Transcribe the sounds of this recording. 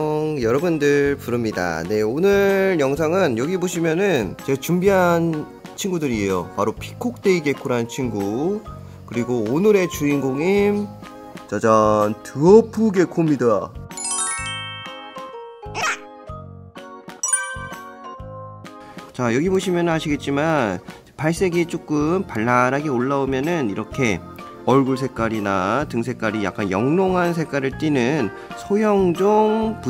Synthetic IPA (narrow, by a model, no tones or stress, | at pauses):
ŋjʌɾʌbundɯɭɭpuɾɯmɲida̰ne̞onɯjʌŋs̬ʰaŋɯnjʌɡiboɕʰimjʌnɯnt͡ɕet͡ɕumbiɦan | t͡ɕʰiŋɡudɯɾie̞jo̰paɾopʰi̥kʰok̚t͈e̞iɡe̞kʰoɾɦant͡ɕʰinɡu | kɯɾiɡoonɯɾe̞t͡ɕuinɡoŋim | t͡ɕʌd͡ʑʌntʰɯʌpʰɯɡe̞kʰomida | t͡ɕajʌɡiboɕʰimjʌnɯnɦaɕʰiɡe̞t̚t͡ɕ͈iman | paɭs͈e̞ɡit͡ɕ͈ok͈ɯmpaɭːaɾɦaɡeoɭːaomjʌnɯniɾʌkʰe̞ | ʌɭɡuɭs̬ʰe̞k͈aɾinatɯŋsʰe̞k͈aɾija̰k͈anjʌŋnoŋɦansʰe̞k͈aɾɯɭt͈inɯn | sʰojʌŋd͡ʑoŋpu